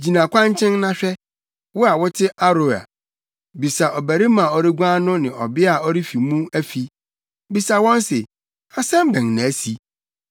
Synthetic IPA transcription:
d͡ʑi˨nã˨kʷã˦ɲ˦t͡ɕʰɪ̃˦nnã˦ɕᶣɛ˦ | wʊ˦a˨wʊ˦tʰɪ˦ʔa˦ɾo˨˦a̰˨ | bi˨sa˨ʔɔ˨bæ˨ɾi˦mã˨ɔ˨ɾɪ˦ɡʷã˦nʊ̃˦nɪ̃˨ɔ˨bɪ˦a˨ɔ˦ɾi˦fi˨mũ˦æ˦fi˦ | bi˨sa˨wɔ̃˦nsɪ˨ | a˨sɛ̃˦m˦bɛ̃˨ŋnã˨˦si˨

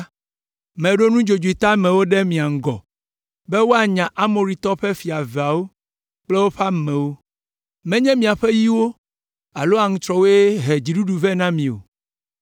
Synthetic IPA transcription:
mɛ̃˨ɖo˦nũ˦d͡ʒo˨d͡ʒu˨i˨t̪a˦mɛ̃˨wo˦ɖɛ˦mĩ˨a˨ŋ̩˨ɡɔ˨ | bɛ˦wo˦a˨ɲã˨ʔa˦mo˨ɾi˨t̪ɔ˦ɸɛ˦fi˨a˨vɛ˨a˨wo˦ | k͡plɛ˦wo˦ɸa˦˨mɛ̃˨wo˦ | mɛ̃˦ɲɛ̃˦mĩ˨a˨ɸɛ˦ji˦wo˦ | a˨lo˦a˨ŋũ˦t̪ɾɔ˦wo˦ɛ˦ɦɛ˨d͡ʑi˨ɖu˦ɖu˨vɛ˦nã˦mĩ˨o̰˨

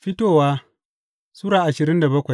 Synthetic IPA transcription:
ɸɪ˦toː˦˨waː˦ | suː˦ɽaː˨ʔa˨ʃɪ˨ɾɪ˦nda˨bɐ˦kʷa˨j

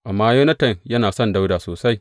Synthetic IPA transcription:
ʔa˨mːaː˦ju˦nɐ˦tɐ˨ŋjɐ˦naː˨sɔ˦nda˦wdaː˨soː˨sa˦j

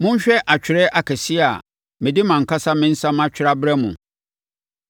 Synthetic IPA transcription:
mʊ̃˦ɲ̩˦ɕᶣɛ˦ʔa˨t͡ɕᶣʰɪ˨ɾɛ˦ʔa˨kʰɛ˨si˦a˨ | mɪ̃˨dɪ˦mã˨ŋ̩˨kʰa˦sa˦mɪ̃˦n̩˦sã˦mã˦t͡ɕᶣɪ˨˦ɾa˦bɾɛ˦mʊ̰̃˨

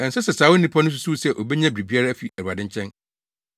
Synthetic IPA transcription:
ɛ̃˨n˨sɛ˦sɛ˨saː˨˦wʊ˦nĩ˦pʰa˦nʊ̃˦s̬u̥˨˦su˦˨sɛ˦ʔo˨bɛ˦ɲã˦bi˨ɾi˨bi˦a˦ɾa˦æ˦fi˨æ˨ɾu˨a˨dɪ̃˦ɲ˦t͡ɕʰɛ̃˦n

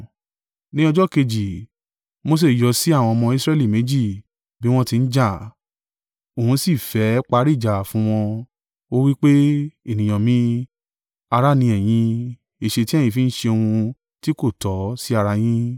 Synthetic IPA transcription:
nĩ˦ɔ˧d͡ʒɔ˦ke˧d͡ʒi˨ | mo˧s̬e˦˨jɔ˧si˦a˦˨w̃ɔ̃˧mɔ̃˧i˦sɾɛ˦˨li˦˨me˨˦d͡ʒi˦˨ | bi˦w̃ɔ̃˦ti˧n̩˦d͡ʒa˦˨ | o˨hũ˧˦si˦˨fɛ˨˦k͡pa˧˦ɾi˦˨d͡ʒa˨fũ˨˦w̃ɔ̃˧ | o˦wi˦k͡pe˦e˦˨nĩ˨j̃ã˨mĩ˦ | a˧ɾa˦˨nĩ˧ɛ˨j̃ĩ˧ | e˨ʃe˧ti˦ɛ˦˨jĩ˧fi˨˦n̩˦ʃe˧o˧hũ˧ | ti˦ko˦˨tɔ˨˦si˦a˧ɾa˧j̃ĩ˦

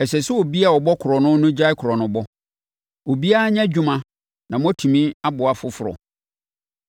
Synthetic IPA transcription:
ɛ˨sɛ˨sʊ˦o˨bi˦a˨ɔ˨bɔ˦kʰʊ˨ɾɔ˨nʊ̃˦nʊ̃˦d͡ʑa˦ɪ˦kʰʊ˨ɾɔ˨nʊ̃˨bɔ˦ | o˨bi˦a˦a˦ɲ˦ã˦d͡ʑᶣu˦mã˨ | nã˨m̃˦tʰũ˨mĩ˦a˦bʊ˨a˨fʊ˦fʊ˦˨ɾɔ̰˨

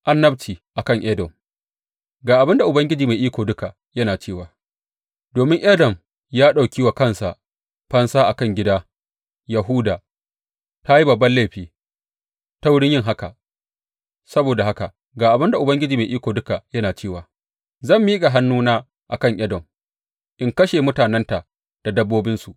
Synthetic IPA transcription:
ʔa˦nːɐ˦btiː˨ʔa˨kɐ˦ŋʔɛ˦dɔ˨m | ɡaː˨ʔa˨bɪ˦nda˨ʔʊ˨bɐ˦ŋɡʲɪ˦d͡ʒiː˨ma˨ʔiː˦kʷoː˨dʊ˦ka˨ | jɐ˦naː˨t͡ʃeː˦˨waː˨ | doː˨mɪ˦ŋʔɐ˦dɐ˨m | jaː˦ɗa˨wkʲi˦wa˨kɐ˦nsa̰˨ʔ | ɸɐ˦nsaː˦ʔa˨kɐ˦˨ŋɡʲɪ˦daː˦ | jɐ˨ɦʊ˦daː˨ | ta˦ji˦bɐ˨bːɐ˦nla˦˨ɸiː˦ | ta˦wʊ˦ɽɪ˦ɲjɪ˦ŋɦa˦ka˨ | sɐ˦boː˨da˨ha˦ka˨ | ɡaː˨ʔa˨bɪ˦nda˨ʔʊ˨bɐ˦ŋɡʲɪ˦d͡ʒiː˨ma˨ʔiː˦kʷoː˨dʊ˦ka˨ʔjɐ˦naː˨t͡ʃeː˦˨waː˨ | zɐ˦˨mːiː˦kʼa˨ɦa˦nːuː˦naː˦ | ʔa˨kɐ˦˨ŋʔɐ˦dɐ˨m | ʔɪ˦ŋkɐ˦ʃeː˨mʊ˦taː˨nɛ˦nta˨ʔ | d̥a˨dɐ˦bːoː˦bɪ˦nsu˨ʔ

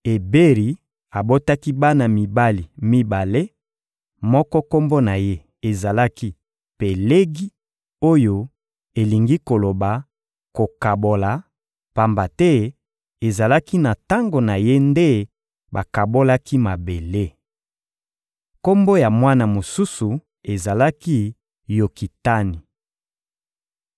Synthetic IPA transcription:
e˨be˦ʁi˨˦ | a˨bo˦ta˦ki˦ba˦na˨mi˨ba˦li˨mi˦ba˨le˦ | mɔ˦kɔ˦ko˦mbo˦na˨je˦ | e˨za˨la˦ki˦ | pe˨le˦ɡi˦ | o˦jo˦ | e˨li˨ŋɡi˦ko˨lo˨ba˨ | ko˨ka˨bo˨la˨ | pa˨mba˨tɛ˦ | e˨za˨la˦ki˦na˨ta˦ŋɡo˨na˨je˦nde˦ | ba˨ka˨bo˦la˦ki˦ma˨be˨le˦ | ko˦mbo˦ja˨mwa˦na˨mo˨su˦su˨ | e˨za˨la˦ki˦ | jo˨ki˨ta˦ni˨

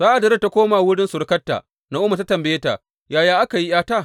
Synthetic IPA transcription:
z̥aː˦ʔa˨dɐ˨ɾɐ˦tːa˨kʷoː˦maː˨wʊ˦ɽɪ˦nsʊ˨ɾkɐ˦tːa̰ː˨ | na˨˦ʔʊ˦ma˨ta˦tɐ˨mbɛ˨jeː˦ta̰˨ | jaː˨jaː˦ʔa˦ka˨ji˦jaː˦taː˦˨

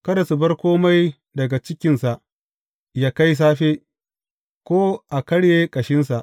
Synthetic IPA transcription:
kɐ˦da˨su˨bɐ˦rkʷoː˦ma˦j | dɐ˨ɡa˨t͡ʃɪ˦kʲɪ˦nsa˨ʔ | jaː˦ka˦js̬aː˦ɸeː˦ | kʷoː˦ʔa˨kɐ˦ɽjeː˦kʼɐ˨ʃɪ˦nsa˨ʔ

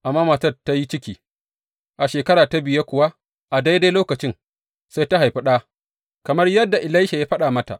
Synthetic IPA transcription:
ʔa˨mːaː˦ma˨tɐ˦˨dtːa˦ji˦t͡ʃɪ˦kʲiː˨ | ʔa˨ʃeː˨kɐ˦ɽaː˨ta˦bɪ˨je˦kʷʊ˨wa˦ | ʔa˨da˦jda˦loː˦kɐ˨t͡ʃɪ˦ŋ | sa˦jta˦ɦa˨jɸɪ˦ɗaː˦ | kɐ˨mɐ˦rjɐ˦dːa˨ʔɪ˨la˦jʃa˨jaː˦ɸɐ˦ɗaː˨mɐ˦ta̰˨ʔ

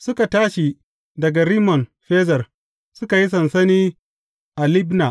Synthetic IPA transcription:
sʊ˦ka˨taː˦ʃi˨ | dɐ˨ɡa˨ɾiː˦mɔ˨nɸeː˦zɐ˨r | sʊ˦ka˨ji˦sɐ˨nsɐ˦niː˦ | ʔa˨lɪ˦bnaː˨

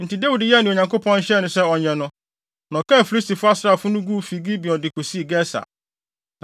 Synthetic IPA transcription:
n̩˨tʰɪ˨de˦wi˨dɪ˨jɛ˦˨nʊ̃˨o˨ɲã˨ŋko˦pʰɔ̃˦n˦ɕɛ˦nʊ̃˨sɛ˦ɔ˨ɲɛ̃˨nʊ̃˦ | nɔ̃˨kʰɛ̃˦˨fi˨li˦sti˨fʊ˦a˦sɾa˨fʊ˦nʊ̃˦ɡu˦fi˨˦ɡi˦bi˨ɔ̃˨dɪ˨kʰo˨si˦˨ɡɛ˦sa̰˨

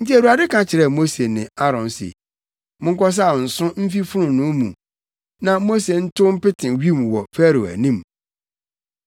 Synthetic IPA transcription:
n̩˦ti˦æ˨ɾu˨a˨dɪ˦kʰã˨t͡ɕʰɪ˨ɾɛ˦˨mo˦se˨nɪ̃˨a˦ɾɔ̃˨nsḛ˨ | mʊ̃˦ŋ̩˦kɔ˦s̬a˦˨n̩˨sʊ̃˦m̩˦fi˦fʊ˦ɾʊ̃˨nʊ̃˦mṵ̃˨ | nã˨mo˦se˨n̩˦tʰʊ˦m̩˦pɪ˦tʰɪ̃˨ɥi˦m˨wɔ˨fæ˦ɾo˨æ̰˨nĩ˦m

